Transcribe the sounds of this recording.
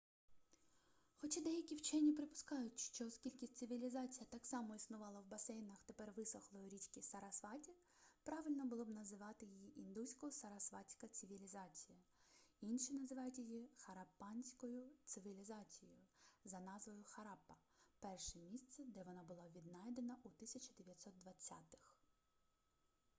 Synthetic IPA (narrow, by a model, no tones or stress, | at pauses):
xɔt͡ʃad̪ɛjɐkʲiwt͡ʃɛnʲːipɾɪpʊ̥skɑjʊtʲʃt͡ʃɔɔskʲilʲkʲit̪ʲsɪʋʲilʲizɑt͡sʲijɐt̪ɑksɑmɔisnʊʋɑlˠɐwbɐsɛjnɐxt̪epɛrʋɪsɔxlˠɔjɔɾʲit͡ʃkʲɪsɐɾɐsʋɑtʲi | pɾɑʋɪlʲnɔbʊlˠɔbnɐzɪʋɑt̪ɪjijiʔind̪usʲkɔsɐɾɐsʋɑt͡sʲkɐt̪sɪʋʲilʲizɑt͡sʲijɐinʃinɐzɪʋɑjʊtʲjijixɐɾɐpːɑnʲsʲkɔjʊt̪sɪʋʲilʲizɑt͡sʲijɔjʊzɐnɑzʋɔjʊxɐɾɑpːɐ | pɛrʃɛmʲist̪sɛd̪ɛʋɔnɑbʊlˠɑʋʲid̪nɑjd̪enɐʔut̪ɪsʲɐt͡ʃɐd̪eʋʲjɐt̪ʲsɔt̪̚d̪ʋɐt͡sʲːɑ̰t̪ɪ̥x